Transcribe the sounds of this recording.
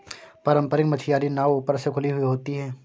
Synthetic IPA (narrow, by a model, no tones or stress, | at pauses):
pɐɾə̃mpəɾɪkmɐt͡ʃʰijaːɾinaːʋuːpəɾsekʰʊliɦʊiɦoːt̪iɦɛː